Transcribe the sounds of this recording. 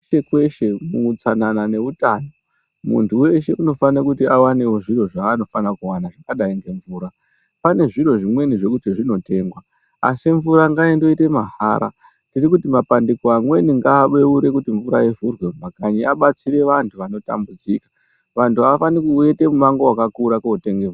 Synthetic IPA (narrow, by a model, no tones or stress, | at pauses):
ekwe̞ʃe̞kuut͡sananane̞utaːno | mṵntʰuwe̞ʃe̞ʔuno̞fanekutiawane̞wo̞ʐiro̞ʐaːno̞fanakuwanaʐakaɗaiŋɡe̞ɱvuːɾa | pane̞ʐiro̞ʐimwe̞niʐe̞kutiʐino̞te̞ŋɡwa | a̰siɱvuɾaŋɡaendo̞ite̞maɦa̰ːɾa̰ | ntirikutimapandikoamwe̞niŋɡaːɓe̞uɾe̞kutiɱvuɾa̰je̞vurwe̞akaɲiaɓat͡siɾe̞ʋantʰuʋano̞ta̰mbud͡zikḁ | ʋantʰuaʋafanikue̞te̞mumaŋɡo̞wakakuɾakoute̞ŋɡe